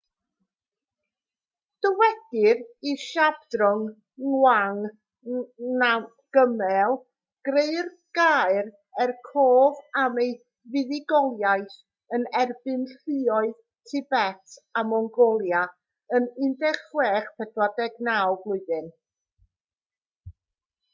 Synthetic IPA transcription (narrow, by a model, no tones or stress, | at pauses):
d̥əwɛd̥ɪriʃabdrʊŋ | ŋwaŋ | na | ɡ̥əmɛlˠ | ɡ̥reɨr | ɡ̥ajr | ɛrkʰoːvamej | vɪðɪɡɔlˠjajθ | ənɛrbɨnɬɨɔɨð | tʰɪbɛtʰamɔŋɡɔlˠja | ənɪndɛχweːχpʰɛdwadɛɡnawblˠʊɨðɨn